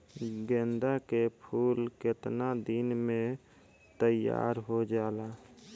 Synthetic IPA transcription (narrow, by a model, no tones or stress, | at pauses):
ɡẽːnd̪akepʰuːlkɪt̪nad̪ɪnmẽ | t̪əja̰ːɾɦod͡ʒaːla